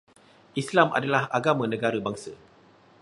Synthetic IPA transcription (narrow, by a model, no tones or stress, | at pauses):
ʔislamʔa̰dalahaɡamãnə̃ɡaɾəbaŋsə